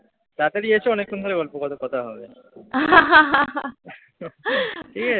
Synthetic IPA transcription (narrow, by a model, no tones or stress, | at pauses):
t̪at̪aɾiet͡ɕʰeɔnekʰːond̪ʱoɾeɡɔlpokɔt̪okɔt̪ʰaɦɔbe | aɦ | ʈʰika